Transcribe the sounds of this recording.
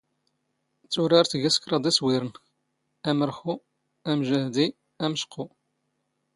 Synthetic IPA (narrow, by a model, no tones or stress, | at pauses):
t͡sːʊɾɑɾθʝæskɾˤɑd̪æswiɾən | æməɾxu | æmʒəʕd̪i | æməʃqʰːʊ